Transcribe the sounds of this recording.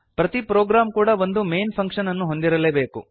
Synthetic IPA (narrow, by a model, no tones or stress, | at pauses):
pɾɐt̪ipɾoːɡɾaːmkuːɽɐʋo̞nd̪ume̞jnpʰɐŋkʂɐnɐnːuɦo̞nd̪iɾɐleːbe̞ːku